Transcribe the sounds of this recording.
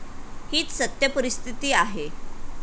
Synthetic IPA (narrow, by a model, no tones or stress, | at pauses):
hiːt͡ssət̪jəpəɾist̪ʰit̪iːaɦe